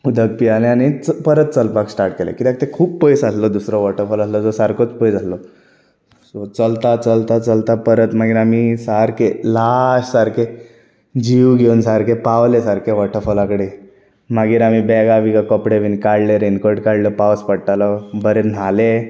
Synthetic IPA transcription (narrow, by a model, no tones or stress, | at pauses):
ud̪ʱəɡ̚pialeañit͡spəɾət̪̚t͡səlpaksʈaɾʈkelḛkit̪ak̚t̪ekʰuːpːəjsaslɔd̪usɾɔʋɔʈʰəfəlaslɔd͡zɔsaɾkot͡spəd͡zaslɔ | sɔt͡səlt̪at͡səlt̪at͡səlt̪apəɾət̪maɡiːɾamisaɾkelaɕsaɾkʰe | d͡ʑiuɡʱeunsaɾkepaʋlesaɾkʰeʋɔʈʰəfəlakəɽe | maɡiːɾam̤ibɛɡaʋiɡakɔpɽeʋinkaɽleɾenkɔɾɖkaɽləpaʋspəɽʈalɔbəɾen̤ale